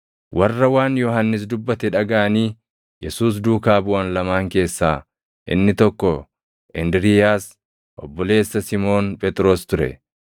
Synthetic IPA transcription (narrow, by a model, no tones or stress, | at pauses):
wʔɐrːɐwaːnjɔhɐnːɪs̬d̪ʊbːɐt̪ɛᶑɐɡɐʔɐniː | jɛsuːs̬d̪uːkaːbʊwɐnlɐmaːŋke̞ːsːaː | ʔɪ̰nːɪt̪ɔkːɔ | ʔɪnd̪ɾɪjaːs | ʔɔbːɔle̞ːsːɐsɪmo̞ːnpʼɛt̪ʼɾo̞ːst̪ʊɾɛ̰